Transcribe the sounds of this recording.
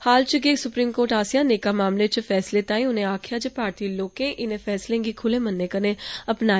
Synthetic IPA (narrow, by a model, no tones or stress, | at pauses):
haːlt͡ʃəɡeːsʊpɾiːmkoːɾʈaːsijãːneːkaːmaːmlet͡ʃfʰɛːsleːt̪ãːĩʊnẽːaːkʰjaːt͡ʃəpaːɾt̪iːloːkẽːʔɪnẽːfʰɛːslẽːɡiːkʰʊlẽːmənːeːkənẽːəpnaː